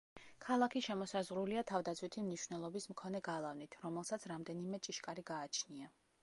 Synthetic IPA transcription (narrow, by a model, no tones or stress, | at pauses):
kʰalˠakʰiʃɛmɔsazʁɾuliat̪ʰavd̪at̪sʰwit̪ʰimniʃvnɛlˠɔbismkʰɔnɛɡalˠavnit̪ʰɾɔmɛlˠsat̪sʰɾamd̪ɛnimɛt͡ʃʼiʃkʼaɾiɡaːt͡ʃʰnia